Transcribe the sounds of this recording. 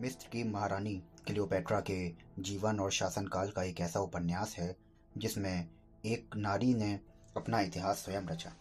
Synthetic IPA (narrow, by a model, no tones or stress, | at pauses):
mɪst̪ɾkimɐɦaːɾaːnikɪlioːpɛːʈɾaked͡ʒiːʋənɔːɾʃaːsənkaːlkaeːkɛːsaʊpənjaːsɦɛ | d͡ʒɪsmẽ | eːknaːɾinẽ | ɐpnaɪt̪ɪɦaːsːwɐjəmɾɐt͡ʃa̰ː